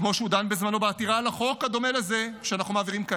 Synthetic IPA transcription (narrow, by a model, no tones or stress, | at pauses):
kmo̞ʃeud̪anbezmano̞beat̪iʁalaχo̞kad̪o̞melezeʃeanaχnumeːviʁimka